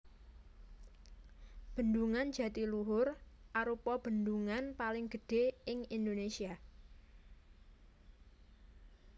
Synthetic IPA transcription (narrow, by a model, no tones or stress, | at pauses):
b̥ə̤nd̪uŋand͡ʒ̥ä̤t̪iluɦʊrʔaɾupɔb̥ə̤nd̪uŋanpalɪŋɡ̥ə̤ɖ̥e̤ɪŋind̪onesia